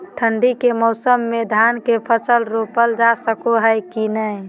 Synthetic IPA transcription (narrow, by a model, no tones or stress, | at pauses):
ʈʰəɳɖikemɔʊsəmːed̪ʱankepʰəsəlɾopəld͡ʒasəkoɦəjkinəj